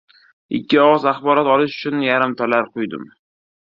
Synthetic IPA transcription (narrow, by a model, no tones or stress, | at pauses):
ɪkʲːɪɒwɑzaχbɒɾɒt̪ɒlɪʃʊ̥t͡ʃʰʊnjaɾɪmt̪ʰalaɾqʰʊjd̪ɪ̰m